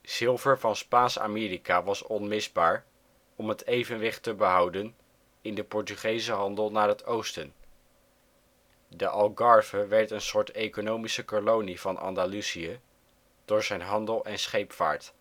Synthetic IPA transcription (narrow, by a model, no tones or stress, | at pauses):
z̥ɪlˠvəɹvɑnspaːnsa̰mɪːɾikaʋɑsɔnmɪzbaːɹ | ɔmɦətʰejvənʋɪχtəbəɦʌwdən | ɪndəpɔɹtyχejzəɦɑndəlˠnaːɹɦətowstən | dəʔɑlˠɡɑɹv̥əʋɛɹtənsʊːɹtejkonowmisəkolowniv̥ɑnʔɑ̰ndalusiə | d̥ʊːɹzɛjnɦɑndəlˠɛnsχejpfa̰ːɹt